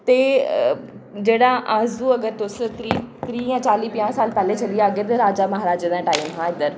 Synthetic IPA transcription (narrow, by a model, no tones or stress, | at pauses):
t̪eː | d͡ʒeːɽãːʔazuːɐɡəɾt̪ʊst̪ɾiːt̪ɾiːjãːt͡ʃaːliːpɪjãːsaːlpɛːlẽːt͡ʃəlijaːɡeɾd̪eɾaːd͡ʒaːməɦaːɾaːd͡ʒed̪ãːʈaːimɦãːɪd̪əɾ